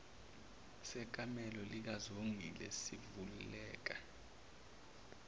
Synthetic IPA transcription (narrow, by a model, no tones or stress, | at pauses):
sɛk̬ʼamɛlɔlik̬azoŋʱilɛ̰sivululɛːk̬a